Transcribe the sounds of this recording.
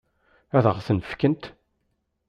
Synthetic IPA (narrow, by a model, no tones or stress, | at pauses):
æðəʁθənfkənt̪